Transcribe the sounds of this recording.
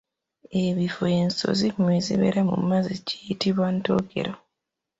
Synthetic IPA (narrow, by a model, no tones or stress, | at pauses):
eβifoeːnso̞̰zimwizḭβḛɾamṵmːazicijitiβwantoɡe̞̰ɾo